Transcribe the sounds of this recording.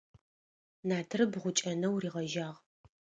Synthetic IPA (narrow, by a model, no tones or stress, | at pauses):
naːtʰɨrɨbʁʷʊt͡ʃʼɐnɐwriːʁɐʒaːʁ